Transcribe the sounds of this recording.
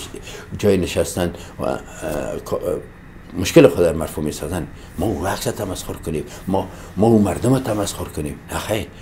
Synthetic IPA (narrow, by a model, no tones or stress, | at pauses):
d͡ʒɒjnɪʃast̪anwa̰kʰ | mʊʃkɪlɪxʊd̪amaɾfumesɔzan | mɔuaqt̪at̪ʰamasxʊɾkʊnem | mɔ | mɔumaɾd̪ʊmat̪ʰamasxʊɾkʊnemhaxejɾ